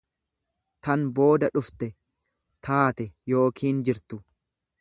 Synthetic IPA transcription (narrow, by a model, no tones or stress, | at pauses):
t̪ɐnbo̞ːd̪ɐᶑʊft̪ɛ | t̪ʰaːt̪ɛjo̞ːkʰiːnd͡ʒɪɾt̪ʊ